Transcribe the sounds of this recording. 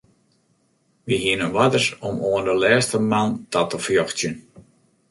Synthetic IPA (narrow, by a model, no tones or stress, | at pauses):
ʋiɦiənənʋadərsɔmoəndəlɛːstəmantatəfjɔxtjən